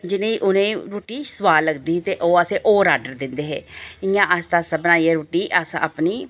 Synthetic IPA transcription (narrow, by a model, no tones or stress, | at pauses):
d͡ʒɪnẽːiʔʊnẽːɾoːʈiːsəʋaːlːəɡd̪iːɦt̪eːʔoːəseːʔoːɾaːɖəɾd̪ɪnd̪eːɦeːɪjãːʔəst̪asəbnaːieːɾoːʈiːʔəsə̰pniː